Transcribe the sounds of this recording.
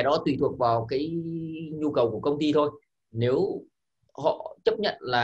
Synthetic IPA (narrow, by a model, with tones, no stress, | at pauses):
jɗɔ˨˦t̪wi˨˧˩t̪ʰwək̚vaː˨˩wkaː˨˦jɲu˧kə˨˩wku˧˩əkə˧wŋ͡mt̪i˧t̪ʰo˧j | ne˨˦w | hɔ̰˧˨t͡ɕə˦˥p̚ɲə̰˧˨nlaː˨˩